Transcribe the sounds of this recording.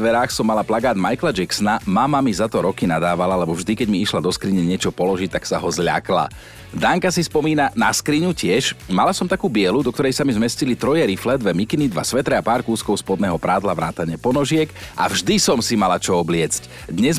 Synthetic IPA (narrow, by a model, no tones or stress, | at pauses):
ʋɛɾaːxsɔmːalaplaɡaːd̪majklad͡ʒɛksnamamamizat̪ɔɾɔkinad̪aːʋalalɛbɔvʒd̪ikɛɟmiiʃlad̪ɔskɾiɲɛɲɪɛt͡ʃɔpɔlɔʒic̚t̪aksaɦɔzʎa̰kla̰ | d̪aːŋkasispɔmiːnanaskɾiɲucɪɛʃmalasɔmt̪akuːbɪɛlud̪ɔk̚t̪ɔɾɛjsamizmɛscilit̪ɾɔjɛɾiflɛd̪ʋɛmikinid̪ʋa̰sʋɛt̪ɾɛapaːɾkuːskɔʊspɔd̪nɛːɦɔpɾaːd̪laʋɾaːt̪aɲɪɛpɔnɔʒɪɛkʔa̰vʒd̪isɔmsimalat͡ʃɔɔblɪɛt͡sc | d̪ɲɛz